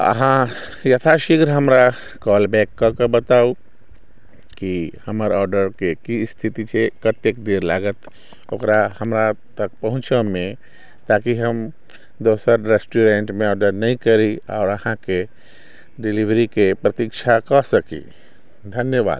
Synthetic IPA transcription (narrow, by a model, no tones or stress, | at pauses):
ə̰ɦã | jət̪ʰaʃikɾɦəmɾa | kɔːlbɛkːɔkebət̪au | kihəməɾɔːɾɖəɾkekist̪ʰit̪it͡ʃʰekət̪ekd̪eɾla̰ːɡət̪ | okɾahəmɾat̪ək̚pəɦʊ̃t͡ʃəmẽ | t̪akiɦəm | d̪osəɾɾesʈuɾẽɳʈmẽɔːɖəɾnəĩkəɾiɔ̰ːɾəhãke | ɖiliʋɾikepɾət̪ikt͡ʃʰakɔsəkḭ | d̪ʱənjəba̰ːd̪̚